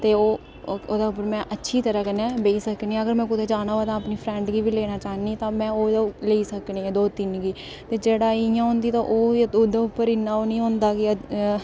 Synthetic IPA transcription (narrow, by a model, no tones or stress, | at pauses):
t̪eːoː | oːd̪aːʊp̬ːəɾmɛ̃ːʔətːʃʰiːt̪əɾaːkənɛːbeisəknĩːəɡəɾmɛ̃ːkʊd̪eːd͡ʒaːnaːaːt̪ãːəpniːpʰɾɛ̃ːɳɖɡiːʋiːleːnaːt͡ʃaːniːt̪ãːmɛ̃ːoːd̪leːiːsəknĩːɛ̃ːd̪oːt̪ɪnɡiː | t̪eːd͡ʒeːɽaːɪjãːɦʊ̃ːnd̪iːt̪ãːʔoːod̪aːʊpːəɾɪnːaːoːnĩːɦõːnd̪aːkɪ